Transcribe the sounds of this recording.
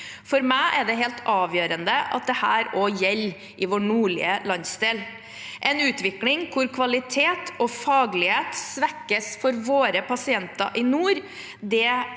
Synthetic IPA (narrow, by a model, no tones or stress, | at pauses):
fɔɾmæɪʔɛɖɛɦeːlt̪ɑːʋjøːɾənd̪əʔɑ̰t̪̚d̪ɛhæːɾojɛlː | ʔɪʋoːnuːɭɪ̰əlɑnsd̪eːl | ʔɛnʉːt̪ʋɪklɪŋkʰʊɾkʰʋɑlɪt̪ʰeːt̪ɔfɑːɡlɪheːt̪sʋɛkːəsfɔɾʋoːɾəpɑsɪɛnt̪ɑ̰ʔɪnuːɾ | d̪ɛ